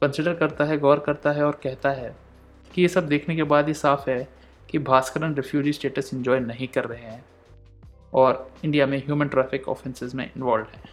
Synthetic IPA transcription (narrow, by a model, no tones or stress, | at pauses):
kɐ̃nsɪɖəɾkɐɾt̪aɦɛɡɐʋəɾkɐɾt̪aɦɛɔːɾkɛɦt̪aɦɛ | kijesɐb̚d̪eːkʰnekebaːd̪jesaːfɦɛ | kibʱaːskəɾənɾɪpʰjuːd͡ʒisʈeːʈəsɪ̃ɲd͡ʒɔːjnɐɦĩkɐɾːɐɦeɦɛ̃ː | ɔːɾɪ̃ɳɖijamẽɦjuːmə̃nʈɾɛːfʰɪkɔ̰ːfɛ̃nsɪzmḛ̃ʔɪ̰̃nʋaːlɖɦɛ̃ː